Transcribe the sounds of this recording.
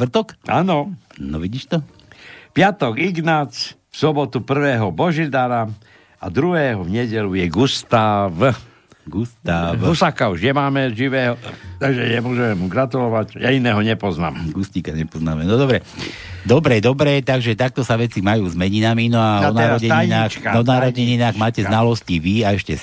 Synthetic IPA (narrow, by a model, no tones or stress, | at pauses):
t̪r̩t̪ɔkanɔnɔ̰ʋiɟiːʃt̪ɔ | pɪat̪ɔɡiɡnat͡s | fsɔbɔt̪upr̩ʋɛːɦɔbɔʒid̪aɾa | a̰d̪ɾuɦɛːɦɔvɲɛɟɛlujɛɡust̪aːʋ | ɡust̪aːʋusakauʒɲɛmaːmɛʒiʋɛːɦɔt̪aɡʒɛɲɛmʊɔʒɛmɛmuɡɾat̪ulɔʋaɟjainɛːɦɔɲɛpɔzna̰ːmɡust̪ikaɲɛpɔznaːmɛnɔd̪ɔbɾɛ | d̪ɔbɾɛd̪ɔbɾɛt̪aɡʒɛt̪ak̚t̪ɔsaʋɛt͡simajuːzmɛɲinaminɔanaːɾɔɛinaːxɔnaːɾɔɛɲinaːɣmaːcɛznalɔsciʋiaɛʃcɛ